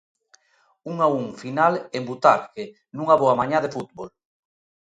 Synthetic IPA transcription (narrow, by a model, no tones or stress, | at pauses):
uŋauŋfinalembut̪aɾke | nũŋaβoamaɲãðefut̪bol